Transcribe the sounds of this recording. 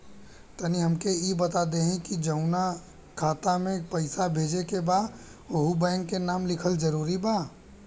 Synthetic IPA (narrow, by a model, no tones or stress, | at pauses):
t̪ɐniɦɐmkejebɐt̪ad̪eɦɛ̃kid͡ʒɐʊna | kʰaːt̪amẽpɐɪsabʱeːd͡ʒekebaːd̪ | oɦubɛ̃ːŋkːenaːmlɪkʰəld͡ʒɐɾuːɾibaː